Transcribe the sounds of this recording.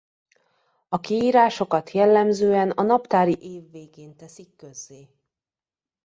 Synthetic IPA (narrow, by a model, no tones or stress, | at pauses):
ɒkiiːɾaːʃo̞kɒt̪jɛlːɛmzøːɛnɒnɒpt̪aːɾiʔeːvːeːɡeːnt̪ɛsikːø̞zːeː